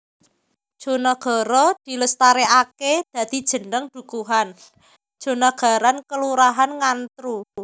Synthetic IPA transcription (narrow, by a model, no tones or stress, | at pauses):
d̥ʒ̥o̤nɔɡ̥ɔ̤ɾɔd̪̥i̤ləst̪aɾeʔaked̪̥ä̤d̪̥i̤̥ʒ̥ə̤nəŋd̪̥ṳkuɦan | d̥ʒ̥o̤nɔɡ̥ä̤ɾankəluɾaɦanŋant̪ɾu